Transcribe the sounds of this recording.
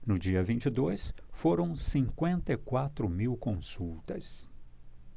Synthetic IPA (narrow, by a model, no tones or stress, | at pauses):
nʊd͡ʒiɐvĩnt͡ʃɪd̪ojsfoɾɐ̃w̃sĩŋkwẽnt̪ɐikwat̪ɾʊmiwkõsuwt̪ɐs